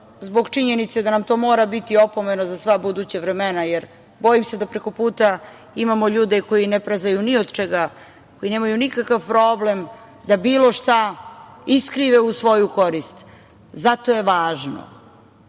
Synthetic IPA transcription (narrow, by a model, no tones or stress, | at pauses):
zbo̞ɡt͡ʃiɲenit̪sed̪anamt̪o̞ːmo̞ːɾabit̪io̞po̞me̞nozasʋabud̪ut͡ɕaʋɾemenajeɾ | bo̞jimse̞d̪apɾe̞ko̞puːt̪a | imamo̞ʎuːd̪eko̞jinepɾazajuniod̪t͡ʃeɡa | kojine̞ːmajunikakaʋpɾo̞ːblem | d̪abiːlo̞ʃt̪a | iskɾiʋeusʋo̞juko̞ɾist̪ | zat̪o̞jeʋaːʒno̰